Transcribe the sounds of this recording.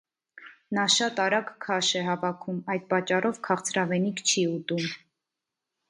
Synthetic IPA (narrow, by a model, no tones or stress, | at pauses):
nɑʃɑt̪ɑɾɑɡkʰɑʃɛɦɑvɑkʰumɑjd̪̚pɑt͡ʃːɑrɔvkʰɑχt͡sʰɾɑvɛnikʰt͡ʃʰiut̪um